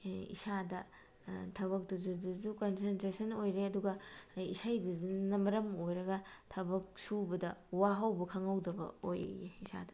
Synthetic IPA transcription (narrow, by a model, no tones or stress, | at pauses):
ḭsadɐ | tʰɐβɐk̚duzuduzukonsentɾesɐnojɾeɐduɡɐisajduzunɐmɐɾɐmojɾɐɡɐtʰɐbɐk̚subɐdɐwaɦɐwbɐkʰɐŋɐwdɐbɐ̰oj̰eisa̰dɐ̥